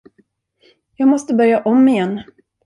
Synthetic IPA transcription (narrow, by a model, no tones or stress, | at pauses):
jɑːɡmɔst̪əbœɾjaʔɔmːɪjɛnː